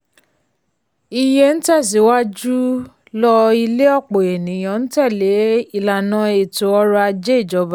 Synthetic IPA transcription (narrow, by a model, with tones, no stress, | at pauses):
i˧je˧n̩˦tɛ˦˨s̬i˨˦wa˦d͡ʒu˦ | lɔ˧i˧le˦ɔ˦˨k͡po˨e˨nĩ˨j̃ã˨ñ̩˦tɛ˦˨le˨˦i˦˨la˨nã˨˦e˨to˨˦ɔ˧˦ɾa˧a˧d͡ʒe˦i˦˨d͡ʒɔ˨˦ba˦